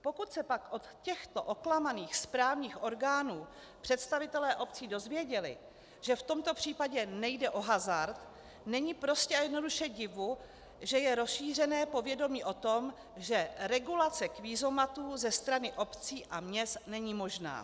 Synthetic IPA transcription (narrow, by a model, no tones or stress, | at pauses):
po̞kut̪sɛpakʔo̞t̪cɛxt̪o̞ʔo̞klamaniːxspɾaːvɲiːxʔo̞ɾɡaːnuː | pr̝̥ɛt̪st̪avɪt̪ɛlɛːʔo̞p̚t͡siːdo̞zvjɛɟɛlɪ̰ | ʒ̥ɛft̪o̞mt̪o̞pr̝̥iːpaɟɛnɛjdɛʔo̞ɦazaɾt̪ | nɛɲiːpɾo̞scɛajɛdno̞duʃɛɟɪvu | ʒɛjɛɾo̞sʃiːr̝ɛnɛːpo̞vjɛdo̞miːʔo̞t̪o̞m | ʒɛɾɛɡulat͡sɛkviːzo̞mat̪uːzɛst̪ɾanɪʔo̞pt͡siːʔamɲɛst̪nɛɲiːmo̞ʒna̰ː